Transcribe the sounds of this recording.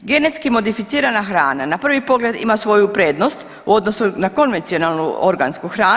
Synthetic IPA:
ɡe̞net̪skimo̞d̪ifit̪siːɾanaxɾaːnanapr̩ʋipo̞ɡle̞d̪ḭmasʋo̞jupɾe̞ːd̪nost̪ | uo̞d̪no̞sunako̞nʋent̪sio̞nalˠnuo̞ɾɡanskuxɾaː

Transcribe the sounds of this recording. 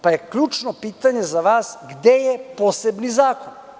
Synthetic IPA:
pajekʎuːt͡ʃnopiːt̪aɲezaʋaːsɡd̪ejɛpoːsebnizaːkon

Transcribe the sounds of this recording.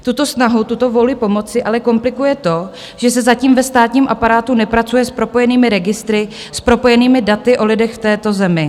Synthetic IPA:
t̪ut̪o̞snaɦut̪ut̪o̞volɪpo̞mo̞t͡sɪʔalɛko̞mplɪkujɛt̪o̞ | ʒ̥ɛsɛzaciːmvɛst̪aːt̪ɲiːmʔapaɾaːt̪unɛpɾat͡sujɛspɾo̞po̞jɛniːmɪɾɛɡɪst̪ɾɪ | spɾo̞po̞jɛniːmɪdat̪ɪʔo̞lɪdɛxft̪ɛːt̪o̞zɛmɪ

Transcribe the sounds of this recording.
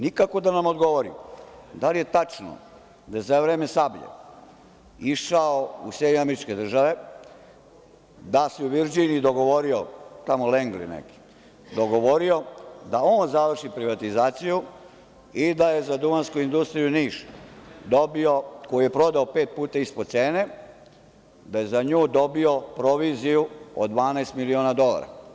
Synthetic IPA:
nikakod̪anamod̪ɡo̞ʋoɾḭd̪alijet̪at͡ʃno̰ | d̪ajezaʋvɾeːmesabʎḛ | iʃaousjed̪ɲoameɾit͡ʃke̞d̪r̩ʒaʋe̞ | d̪aseuʋiɾd͡ʒiniid̪o̞ɡo̞ʋoɾiot̪amoleŋɡlḭnḛki̥ | d̪oɡo̞ʋoɾio̞d̪aoːnzaʋr̩ʃipɾiʋat̪izaːt̪siju | id̪aje̞zad̪umanskuind̪ust̪ɾijuniːʃd̪obio̞ko̞jije̞pɾo̞d̪aope̞ːt̪̚puːt̪aispod̪t̪seːne̞ | d̪ajezaɲuːd̪o̞bio̞pɾo̞ʋizijuod̪ʋaːnast̪milioːnad̪o̞la̰ɾa̰

